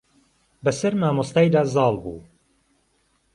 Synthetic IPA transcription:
bɐsɐɾmaːmost̪aːjd̪aːzɑːlˠbṵː

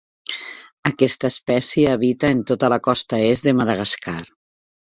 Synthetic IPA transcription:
əkɛst̪əespɛsjeːβit̪əent̪ot̪əlakɔst̪aezðemaðaɣaskar

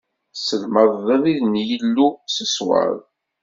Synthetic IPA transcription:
səlməðˤːəðˤiðnjəlːusəswə̰ðˤ

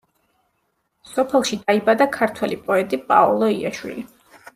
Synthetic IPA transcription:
sɔpʰɛlˠʃid̪aibad̪akʰaɾt̪ʰwɛlipʼɔɛt̪ʼipʼa̰ɔ̰lˠɔiaʃwḭli

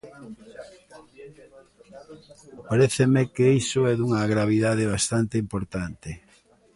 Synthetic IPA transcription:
paɾeθemekeisoɛðuŋɐɣɾaβ̞iðaðeβ̞ast̪ant̪eimpoɾt̪ant̪ɪ

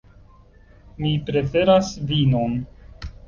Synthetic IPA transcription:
mipɾe̞fe̞ɾasvino̞n

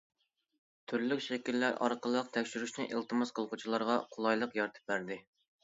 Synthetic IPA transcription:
t̪ʰyɾlykʲʃɛkʲilːæɾɑ̰ɾqʰəlˠːəq̚t̪ʰɛkʲʃyɾyʃnɪʔelˠt̪ʰɨmɑsqəlˠqʊt͡ʃʰilˠɑɾʁɑqʰolˠɑjlˠəqjɑɾt̪ʰɨ̥p̚bæɾd̪ɪ

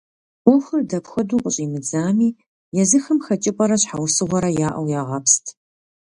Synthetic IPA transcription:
ɔxɨrdɐpxɐduːqʷʼʊɕʼiːmɨd͡zaːmiː | jɛzɨxɐmxɐt͡ʃʼɪpʼɐɾɐɕħawsɨʁʷɐɾɐjaːʔɐ̰wjaːʁɐpstʰ

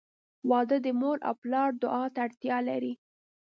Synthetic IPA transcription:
wɑd̪əd̪əmoɾʔa̰wplɑɾd̪ʊʔɑt̪aːɽt̪jɑlaɾi

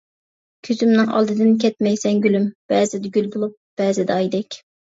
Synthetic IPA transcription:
kʲʰyzymnɪŋʔɑ̰lˠd̪ɨd̪ɪnkʲʰɛt̪̚mɛjsɛŋɡʲylymb̥ɛːzɪd̪ɪɡʲylbolˠup̚b̥ɛːzɪd̪ɛɑjd̪ɛkʲ

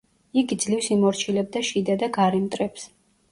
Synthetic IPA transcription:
iɡid̪zliwsimɔɾt͡ʃʰilɛb̚d̪aʃid̪ad̪aɡaɾɛmt̪ʼɾɛps

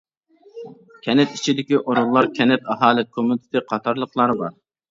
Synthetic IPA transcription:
kʲʰɛnɛt̪it͡ʃʰid̪ɪkʲiʔoɾunlːˠɑɾkʲʰɛnɛt̪ɑɦɑːlˠɪkʰomunɪt̪ʰɪ̥t̪ɨqʰɑt̪ʰɑɾlˠəqlˠɑɾbɑ̰ɾ

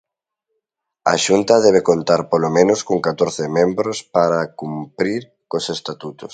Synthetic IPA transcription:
a̰ʃunt̪ɐðɛβ̞ekont̪aɾpolomẽnʊskoŋkat̪oɾθɪmẽmbɾospaɾakumpɾiɾ | kosest̪at̪ut̪ʊs

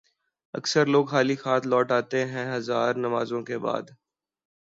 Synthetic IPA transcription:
ɐ̰ksəɾloːɡɦaːlixaːt̪lɔːʈaːt̪eɦɛ̃ɦɐzaːɾnɐmaːzõkeba̰ːd̪

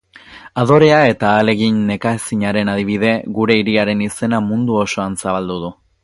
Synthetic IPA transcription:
að̞o̞ɾe̞ae̞t̪aːle̞ɣiɲːe̞kaesiɲaɾe̞naðiβ̞ið̞e̞ɣuɾe̞iɾiaɾe̞nise̞namund̪uo̞so̞ansaβald̪uðu

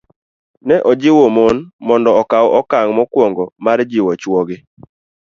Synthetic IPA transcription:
nɛʔɔd͡ʒɪwomonmɔndɔɔkawʔɔkaŋmɔkwɔŋɡɔmaɾd͡ʒɪwɔt͡ʃwoɡɪ

